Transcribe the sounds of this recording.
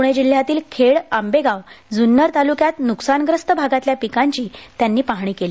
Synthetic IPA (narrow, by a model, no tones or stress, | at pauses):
uɳ̃ed͡ʑil̤jat̪iːlkʰeɭambeɡawd͡zunːəɾt̪alukjat̪nuksanɡɾəst̪əbʱaɡat̪ljapikaɲt͡ɕiːt̪janːiːpaɦɳ̃iːkeli